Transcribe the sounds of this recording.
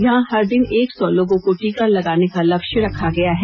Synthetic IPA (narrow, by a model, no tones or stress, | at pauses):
jɐɦãhɐɾd̪ɪneːksɔlõːɡõkoʈiːkalɐɡaːnekalɐbʃɾɐkʰaɡɐjaɦɛː